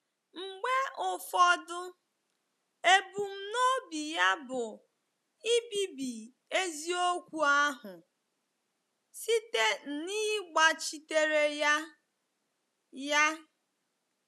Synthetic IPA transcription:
ŋ͡m̩˨ɡ͡be˦ʊ˨fɔ˦dʊ˦ | e˦bu˨m̩˦no˦bi˨ja˦bʊ˨ | i˦bi˦bi˨ | e˦zi˦o˦kʷu˦a˦ɦʊ˨ | si˦te˦n̩˨ni˦ɡ͡ba˨t͡ʃi˦te˦ɾe˦ja˦ | ja˦

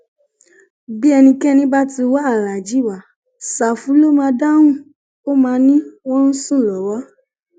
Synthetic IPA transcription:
bi˦ɛ˧nĩ˧kɛ˦˨nĩ˦ba˦ti˧wa˦a˦˨la˨d͡ʒi˨˦˨wa˨ | sa˨fũ˨˦lo˦mãː˧da˦wũ˦˨ | o˦mãː˧nĩ˦wɔ̃˦n̩˦sũ˦˨lɔ˨wa˨˦

